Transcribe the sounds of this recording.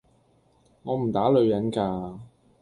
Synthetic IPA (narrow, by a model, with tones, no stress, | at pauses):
ŋɔː˨˧m̩˨˩t̪aː˨˥lɵ˨˧ɥjɐ˨˥nkaː˧